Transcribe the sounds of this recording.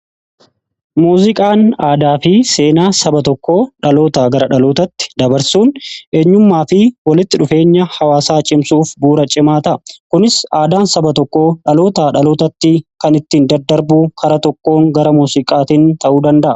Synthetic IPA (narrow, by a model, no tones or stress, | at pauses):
muːzɪkʼaːnaːd̪aːfɪse̞ːnaːsɐbɐt̪ɔkːo̞ːᶑɐlo̞ːt̪aɡɐɾɐᶑɐlo̞ːt̪ɐt̪ːɪ̥d̪ɐbɐɾsuːnʔeːɲːʊmːaːfɪwɐlɪt̪ːɪᶑʊfe̞ːɲːɐhɐwaːsaːt͡ʃʼɪmsuːfbuːɾɐt͡ʃʼɪmaːt̪ɐʔkʊnɪsaːd̪aːnsɐbɐt̪ɔkːo̞ːᶑɐlo̞ːt̪aːᶑɐlo̞ːt̪ɐt̪ːɪkɐnɪt̪ːiːnd̪ɐd̪ːɐɾbuːkʰɐɾɐt̪ɔkːo̞ːŋɡɐɾɐmuːsɪkʼaːt̪int̪ɐʔuːd̪ɐnd̪ɐʔɐ